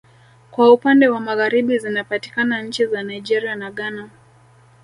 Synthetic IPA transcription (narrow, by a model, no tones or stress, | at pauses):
kwaupandɛwamaɣaɾiɓizinapati̥kanaɲ̩t͡ʃizanaid͡ʒɛɾianaɠana